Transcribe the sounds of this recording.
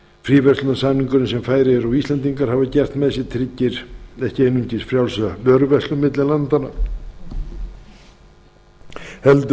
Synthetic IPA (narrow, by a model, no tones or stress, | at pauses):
fɾiːvɛst̪ʏnasaniŋkʏɾɪnsɛmfaːjɾɪɛɾawist̪ɛnt̪̬iŋkaɾ̥haːvacɛr̥t̪mɛðɛs̬ɪt̪ʰɾɪcːɪɾ̥ɛhcɪejnʏɲcɪsfɾjawlsœːɾʏvɛst̪lʏmːɪt̪lɪlant̪ana̰ | hɛlt̪